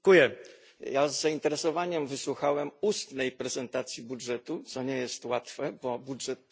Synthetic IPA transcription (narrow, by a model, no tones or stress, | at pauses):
kujɛ | jazːaint̪ɛɾɛsɔvaɲɛmvɘswuxawɛmust̪nɛjpɾɛzɛnt̪at̪sʲjibudʐɛt̪ut̪sɔɲɛjɛst̪wat̪fɛbɔbudʐɛt̪̚